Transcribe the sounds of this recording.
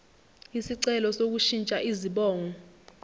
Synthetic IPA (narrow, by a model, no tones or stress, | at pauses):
isiǀɛlɔsok̬uʃint͡ʃʼaʔiziɓɔːŋɔ